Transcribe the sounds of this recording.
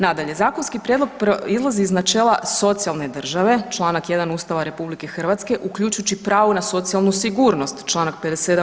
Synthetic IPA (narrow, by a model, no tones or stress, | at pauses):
nad̪aʎe̞zaːkonskipɾʲjed̪loɡ̚pizlˠaziːznat͡ʃeːlˠaso̞t̪sialˠne̞d̪r̩ʒaʋe̞t͡ʃlˠaːnakje̞d̪anuːst̪aʋaɾe̞publike̞xr̩ʋat̪ske̞ʔukʎut͡ʃujut͡ɕipɾaːʋunaso̞t̪sijalˠnusiɡuːɾno̞st̪t͡ʃlˠaːnak̚ped̪esed̪a